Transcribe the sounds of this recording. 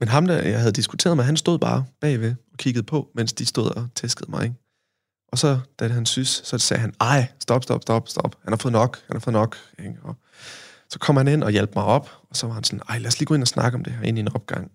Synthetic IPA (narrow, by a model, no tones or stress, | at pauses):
menɦɑ̈md̥æjɑ̈ɪɦæð̞ˠd̥isɡ̥u̥t͡sʰe̝̰ːɐðˠmɑ̈ɪɦænsd̥o̝ðˠb̥ɑ̈ːb̥ɛ̰ːʋe̝ɒ̽kʰiɡ̥ð̩ˠpʰɒ̽men̰sd̥isd̥o̝ð̞̰ˠɒ̽t͡sʰesɡ̥əð̩ˠmɑ̈ɪeŋ | ʔɒ̽sɒ̽d̥ædɦænsyssɒ̽sɛ̰ːɦænɑ̈ɪ̰sd̥ɒ̽b̥sd̥ɒ̽b̥sd̥ɒ̽b̥sd̥ɒ̽b̥hænhɑfɔ̽ːð̩ˠnɒ̽ɡ̥hænhɑfɔ̽ð̩ˠnɒ̽ɡ̥eɒ | sɒ̽kʰɒ̽mhæne̝n̰ɒ̽jelb̥əmɑ̈ɪɒ̽b̥ɒ̽sɒ̽ʋɑ̈hænsɒ̽n̩ɑ̈ɪ̰læːɐsliːɡ̥o̽e̝nɐɒsnɑ̈ɡ̥əɒ̽md̥e̝ɦæɐe̝nienɒ̽b̥̚ɡ̥ɑ̈ŋ̰